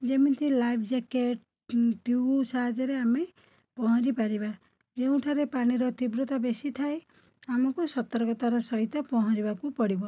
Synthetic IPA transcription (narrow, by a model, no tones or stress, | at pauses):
d͡ʒemint̪ʰilajpʰd͡ʒakeʈ | ʈisaɦad͡ʒɔɾeame | pɔɦɔ̃ɾipaɾiba | d͡ʒeũʈʰaɾepaɽ̃iɾɔt̪ibɾɔt̪abesit̪ʰae | amɔkusɔt̪ɔɾɔkɔt̪aɾɔsɔɦit̪ɔpɔɦɔ̃ɾibakupɔɽibɔ